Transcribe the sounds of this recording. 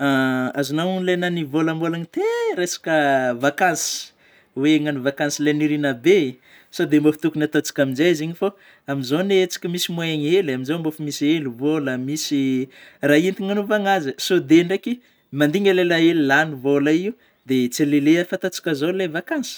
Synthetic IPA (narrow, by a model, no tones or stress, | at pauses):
aazinawunlananivoləmbolaɲit̪eɾesḁkʲəvakansi̥ | weŋanivakansileniɾinəbe | sod̪embofi̥t̪ukunat̪ot͡si̥kʲaminzaziɲifo | aminzonet͡si̥kʲimisimweɲelaminzambofimisielivoləmisiraint̪iŋanovaŋazəsod̪eɳɖ͡ʐeki | mand̪iŋɡalelaelilanivoləiu | d̪et͡seleleafat̪at͡si̥kʲazolevakansi̥